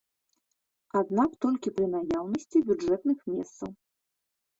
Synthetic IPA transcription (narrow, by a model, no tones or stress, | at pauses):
ad̪nakt̪ɔlʲkʲipɾɨnajawnɐsʲt͡sʲibʲudʐɛt̪nɨxmʲɛ̰st̪sɐ̰w